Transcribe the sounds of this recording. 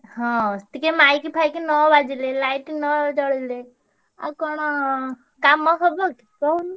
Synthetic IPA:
ɦɔ̃t̪ikemajkipʰajkinɔbad͡ʒilelajʈinɔd͡ʒɔɽile | a̰kɔɽ̃ɔ | kamɔɦɔbɔki̥kɔn

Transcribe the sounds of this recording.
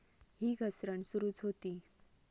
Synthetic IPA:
ɦiɡʱəsɾəɳsuɾuːt͡sɦot̪i

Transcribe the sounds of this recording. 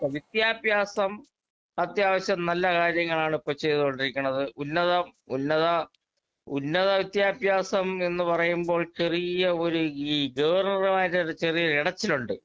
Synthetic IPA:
ɐʋit̪jaːbʱjaːsɐm | ɐt̪jaːʋɐɕjɐmnɐlːɐkaːɾjɐŋːɐɭaːɳipːoːɭt͡ɕe̞jðiðoɳɖiɾikʲːuɳːɐðɨʔunːɐðɐmṵnːɐðɐ | ṵnːɐðɐʋit̪jaːbʱjaːsɐme̞nːɨpɐrɐjumbo̞ːɭt͡ɕerijɐo̞ɾuiːɡɐʋɐrnɐrumaːjitːeɾut͡ɕerijɐɾiɽɐt͡ɕːiluɳɖɨ

